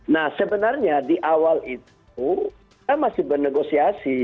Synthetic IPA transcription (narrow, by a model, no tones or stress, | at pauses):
nahsəbənarɲadiʔawalit̪ | u | amasɪhbərnəɡosiasi